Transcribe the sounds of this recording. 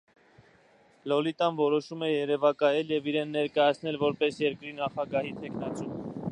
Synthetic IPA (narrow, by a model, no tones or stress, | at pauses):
lɔlit̪ɑnvɔɾɔʃumɛjɛɾɛvɑkɑjɛljɛviɾɛnːɛɾkɑjɑt͡sʰnɛlvɔɾpɛsjɛɾkɾinɑχɑɡɑɦit̪ʰɛkʰnɑt͡sum